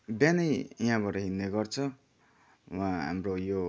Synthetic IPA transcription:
banʌjiɦãbaʈʌɦinːeɡʌrt͡sʰʌ | wãɦa̰mrojo

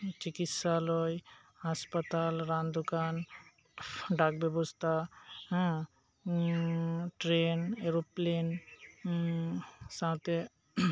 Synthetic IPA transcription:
t͡ʃikit̪salɔj | haspət̪alɾãnd̪ukan | ɖak̚bjebɔst̪ʰaɦã | ʈɾeneɾoplen | sãw̃t̪e

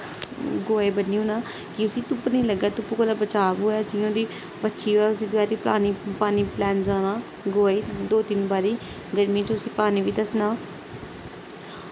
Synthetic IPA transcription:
ɡoːeːbənːiːɦõːnaː | kɪʊsiːt̪ʊpnĩːləɡaːt̪ʊpːuːkəlaːbət͡ʃaːbɦoːaːd͡ʒɪõːd̪iː | pətːʃʰiːɦoːɛːʊsiːd̪ʊaːd̪iːpa̰ːniːpaːniːplɛ̃ːnd͡ʒaːnaː | ɡoːeːd̪oːt̪ɪnbaːɾiː | ɡəɾmĩːt͡ʃʊsiːpaːniːʋiːd̪əsnaː

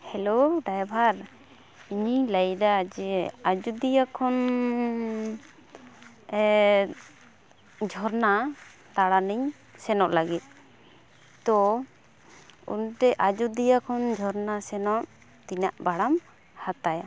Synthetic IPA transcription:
hɛloɖajbʱaɾ | iɲiɲlajd̪ad͡ʒɛad͡ʒud̪ijakʰɔn | d͡ʒʱɔɾna | t̪aɽaniɲ | sɛnɔʔlaɡit̪̚ | t̪ɔ | ṵnʈɛʔad͡ʒud̪ijakʰɔnd͡ʒʱɔɾnasɛnɔʔ | t̪inaʔbaɽam | hat̪aja

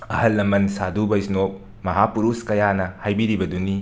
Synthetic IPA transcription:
ɐhɐlːɐmɐnsadubɐjisnop̚ | mɐɦapuɾuskɐjanɐhajbiɾibɐduni

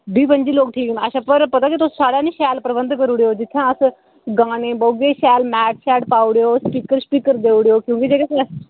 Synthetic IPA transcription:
biːpənd͡ʒiːloːk̚ʈʰiːknaːʃãːpəɾpət̪aːkit̪ʊsːsaːɽãːnĩːʃɛːlpɾəbənd̪kəɾuːɽeːoːd͡ʒɪt̪ʰːjãːəs | ɡãːnẽːbəuɡeːʃɛːlmɛːʈ̚ʰsɛːɖpaːuɽeoːspiːkəɾspiːkəɾd̪eːuɽeoːkjõːkid͡ʒeːkɪs

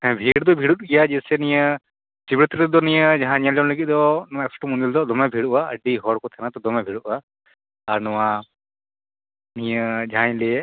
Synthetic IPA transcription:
ɛ̃bʱiɽd̪ɔbʱiɽut̪̚ɡijad͡ʒisɛnijə | sibɾit̪ɾit̪ɔd̪ɔnijəd͡ʒaɦãnijalɔnləɡit̪̚ˀd̪ɔnɔwaɛksʈɔmund̪ild̪ɔd̪ɔmɛbʱiɽuwaə̰ɖiɦɔɽkɔt̪ʰanat̪ɔd̪ɔmɛbʱiɽuʔ̚aː | ɾnɔwa | nijəd͡ʒaɦãj̃lɛ

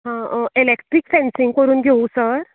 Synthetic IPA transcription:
ɦãelekʈɾikfɛ̃nsiŋɡkəɾuːnɡʱeusəɾ

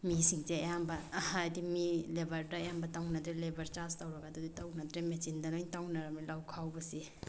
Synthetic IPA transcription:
misiŋzeɐjambɐhajdimilebɐɾdajambɐtawnɐd̪ɾelebɐɾt͡ʃastawɾɐɡaduditawnɐd̪ɾemet͡ʃindɐnojŋtawnaɾamilawkʰawbɐsi

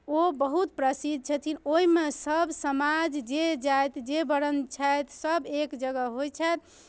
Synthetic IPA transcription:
obəɦut̪pɾəsid̪̚ʱt͡ʃʰət̪ʰinoimesəbsəmad͡ʒd͡ʒed͡ʒajt̪d͡ʒebəɾənt͡ʃʰajt̪ʰsəbekd͡ʒəɡəɦojt͡ʃʰɛt̪ʰ

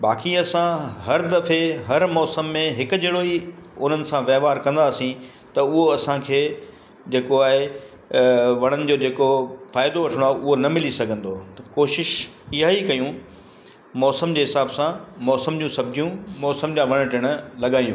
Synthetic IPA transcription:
baːkiɐsãɦɐɾd̪ɐfeɦɐɾmɔːsəmːẽɦɪkʊ̆d͡ʑeɽoiʊn̤ənɪ̆sãʋjɐːɦʋaːɾkɐ̃n̆d̪aːsĩ | t̪ɐʊɦoɐsãkʰeː | d͡ʑeːkoaːɦe | ʋɐɽ̃ənɪ̆d͡ʑoːd͡ʑeːkofaːɪd̪oʋɐʈʰəɽ̃oaːɦʊɦonɐmɪlisɐɡʱə̃nd̪oːt̪ɐkoːʃɪʃ | ɪɦaikɐjũ | mɔːsəmd͡ʑeːɦɪsaːbsãmɔːsəmd͡ʑũːsɐb̚d͡ʑijũmɔːsəmd͡ʑaːʋɐɽ̃̆ʈɪɽ̃ʊ̆lɐɠaːjṵ̃ː

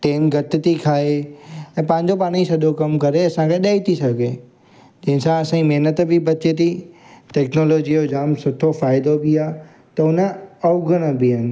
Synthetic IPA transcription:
ʈeːnɡʱɐt̪ɪt̪ikʰaːeɛ̃ːpɐ̃ɦɪ̃ɲd͡ʑopaːɽ̃isɐdʱokɐmkɐɾeɐsãkʰeɗaːit̪ʰisɐɡʱe | d͡ʑɐ̃ɦɪ̃nsãɐsãimeɦnət̪bɪbɐt͡ɕet̪ʰiʈɛːknoːloːd͡ʑijod͡ʑaːmsʊʈʰofaːɪd̪obɪaː | t̪ɐʊnəɐʊɡʱəɽ̃əbɪɦənɪ̆

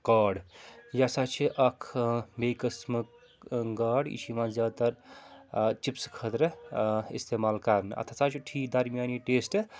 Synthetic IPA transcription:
kaːɖjasat͡ʃʰiʔɐkʰbejkəsmək | ɡaɖḭt͡ʃimazaːt̪ɐɾ | t͡ʃipskʰət̪ɾɐḭst̪eːmaːlkɐɾnɨɐ̰t̪ʰasat͡ʃʰiʈʰikd̪ɐɾmijaːniʈeːsʈ

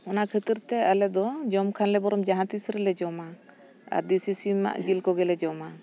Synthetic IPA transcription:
ɔnakʰət̪iɾt̪ɛalɛd̪ɔd͡ʒɔmkʰanlɛbɔɾɔmd͡ʒaɦãt̪isɾɛlɛd͡ʒɔma | a̰ɾd̪isisima̰ʔd͡ʒilkɔɡɛlɛd͡ʒɔma

